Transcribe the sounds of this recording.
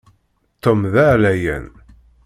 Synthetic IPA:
t̪ːəmðæʕlæjæ̰n

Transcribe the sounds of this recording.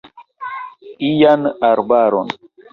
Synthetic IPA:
ijanaɾbaɾon

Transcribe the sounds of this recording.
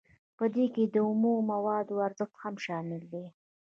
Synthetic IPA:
pəd̪eked̪əʊmummawɑd̪oaɾzəxt̪hamʃɑmɪld̪e

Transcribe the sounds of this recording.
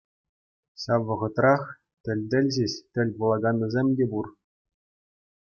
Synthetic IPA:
ɕɑʋːɤ̆ʁɤ̆t̪rɑχ | tʲɘ̆lʲd̪ʲɘ̆lʲʑɘɕt̪ʲɘ̆lʲpulˠɑɡɑnːɤ̆zʲemʲdʲebur

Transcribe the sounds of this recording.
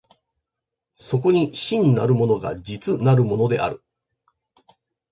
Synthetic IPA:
so̞k̬o̞ɲ̟iɕĩnːa̰ɾɯ̟mo̞no̞ɡa̰d͡ʑit͡sɨnaɾɯ̟mo̞no̞d̪e̞̰ʔa̰ɾɯ̟

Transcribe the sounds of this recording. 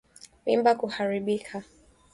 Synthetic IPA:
mimbakuhaɾiɓikʰa

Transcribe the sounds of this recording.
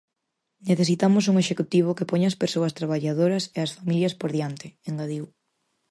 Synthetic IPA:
neθesit̪amʊs̬uŋeʃekut̪iβ̞okepoɲːspeɾsoɐst̪ɾaβ̞aʎaðoɾɐseɐsfamiljɐspoɾðjant̪ɪeŋɡaðiw

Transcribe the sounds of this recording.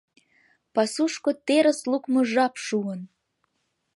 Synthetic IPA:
pɑsuʃkot̪eɾəslukmoʒɑpʃuən

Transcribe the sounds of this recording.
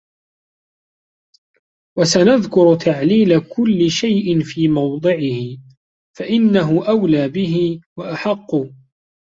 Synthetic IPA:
wasanaðkʊɾt̪ʰaʕliːlakʊlːɪʃajʔɪnfiːmɑwd̪ˤɨʕɪhɪ | faʔɪnːaɦʊʔawlaːbɪɦɪwaʔaħɑqːʊ

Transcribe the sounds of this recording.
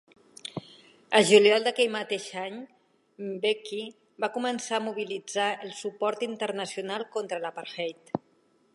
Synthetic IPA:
əʒuljɔlˠd̪əkɛjmət̪eʃaɲ | beki | bakumənsaːmuβ̞ilid͡zaəlˠsupɔɾt̪int̪əɾnəsjunalˠkont̪ɾəlapaɾxɛjt̪

